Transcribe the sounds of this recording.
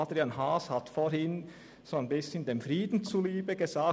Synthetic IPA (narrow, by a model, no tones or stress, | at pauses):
adʁianɦaːshatfohɪn | z̥oːanbɪsçəndeːmfriːdn̩t͡suliːbəɡəzaːk